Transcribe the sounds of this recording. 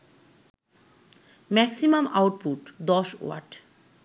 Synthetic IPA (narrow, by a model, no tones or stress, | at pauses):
mɛksimamawʈ̚puʈd̪ɔʃo̰wa̰ɾʈ